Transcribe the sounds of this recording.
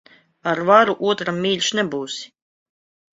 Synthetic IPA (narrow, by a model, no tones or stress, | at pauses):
aɾvaɾuʔuɔt̪ɾamːʲiːlʲʃnɛbuːsi̥